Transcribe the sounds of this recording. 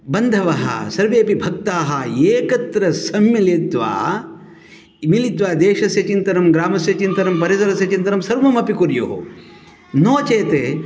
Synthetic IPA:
bɐnd̪ʱɐʋɐɦɐ̰sɐɾʋeːpibʱɐk̚t̪aːɦɐeːkɐt̪ɾɐsɐmːilit̪ʋa̰ː | milit̪ʋaːd̪eːʃɐsjɐt͡ʃint̪ɐnɐmɡɾaːmɐsjɐt͡ʃint̪ɐnɐmpɐɾisɐɾɐsjɐt͡ʃint̪ɐnɐmsɐɾʋɐmɐpikuɾjo̰ːɦo̰ | noːt͡ʃeːt̪eː

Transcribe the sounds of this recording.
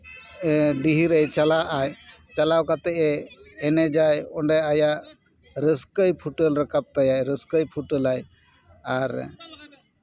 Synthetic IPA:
ɖiɦiɾəjt͡ʃalaʔaj | t͡ʃalawkat̪ɛʔɛːnɛd͡ʒajɔɳɖɛajaʔ | ɾəskəjpʰuʈəlɾəkap̚t̪ajajɾəskəjpʰuʈəlaj | aɾ

